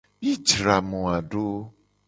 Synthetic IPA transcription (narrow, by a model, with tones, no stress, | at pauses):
bi˦d͡ʒɾa˨mũ˨a˨ɖo˦